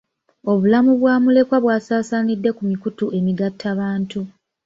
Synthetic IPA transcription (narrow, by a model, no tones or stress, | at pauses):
o̞βulamuβwaːmule̞kwaβwaːsaːsaːnidːe̞kumikutuʔe̞miɡatːaβaːntu